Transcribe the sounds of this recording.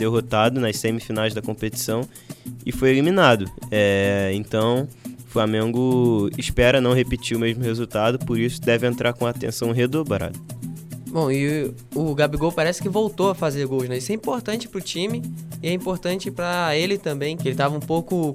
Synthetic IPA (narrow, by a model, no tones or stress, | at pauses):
d̪̥eɦot̪ad̪ʊnɐsẽmɪfinajzd̪ɐkõpet͡ʃi̥sɐ̃w̃ | ɪfojeliminad̪ʊɛẽnt̪ɐ̃w̃ʊflamẽŋɡʊɪspɛɾɐnɐ̃w̃ɦepit͡ʃiʊmeʒmʊhezut̪ad̪ʊpoɾisʊ̥d̪ɛvɪẽnt̪ɾʔaɾkõɐat̪ḛ̃sɐ̃w̃ɦed̪obɾa̰d̪ɐbõw̃ɪ | ʊɡabiɡowpaɾɛsɪ̥kɪvowt̪oɐfazeɾɡowʃnɛisʊɛĩpoɾt̪ɐ̃nt͡ʃɪ̥pɾʊt͡ʃĩmɪɪɛĩpoɾt̪ɐ̃nt͡ʃɪpɾɐelɪt̪ɐ̃mbẽj̃kɪelɪt̪avɐũpowkʊ